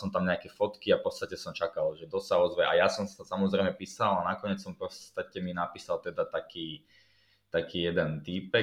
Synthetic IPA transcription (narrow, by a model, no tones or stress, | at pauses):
sɔmt̪amɲɛakɛfɔt̪kiapɔt̪t͡sst̪acɛsɔmt͡ʃakalʒɛd̪ɔssaɔzʋɛʔajasɔmsḁt̪asamɔzɾɛɪmɛpiːsalanakɔɲɪɛt͡ssɔmpɔst̪acɛminapiːsalt̪ɛd̪at̪akiː | t̪akiːjɛd̪ɛnt̪ipɛ